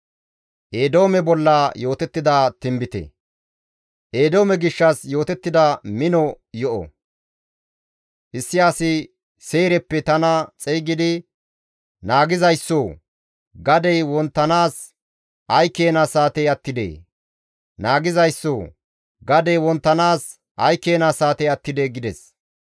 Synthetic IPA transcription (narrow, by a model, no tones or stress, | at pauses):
ʔeːd̪o̞ːmɛbɔlːɐjo̞ːt̪ɛt̪ːɪd̪at̪ɪmbɪt̪ɛ̰ | ʔeːd̪o̞ːmɛɡɪʃːɐsjo̞ːt̪ɛt̪ːɪd̪ɐmɪnɔ | jɔʔɔ̰ | ʔɪsːɪaːsɪ | se̞ːɾɛpːɛt̪ɐnɐt͡sʼɛjɡɪd̪ɪ | naːɡɪzɐjsːoː | ɡɐd̪ɛjwɔnt̪ːɐnaːs | hɐjkːeːnasaːt̪ɛjɐt̪ːɪd̪ḛː | naːɡɪzɐjsːoː | ɡɐd̪ɛwɔnt̪ːɐnaːs | hɐjkːe̞ːnasaːt̪ɛjɐt̪ːɪd̪eɡɪd̪ɛs